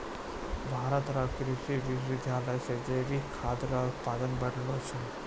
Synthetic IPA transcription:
bʱaːɾət̪ɾakɾit̪iʋiʋid̪ʱjaːləjsed͡ʒejɾikʰad̪ɾaut̪̚pad̪ənbəɽlot͡ʃʰe

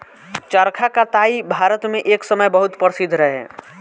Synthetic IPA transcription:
t͡ʃəɾkʰakat̪aːibʱaːɾət̪mẽʔeːksəməjbəɦʊt̪pəɾsɪd̪ʱɾəɦeɦɛ̰ː

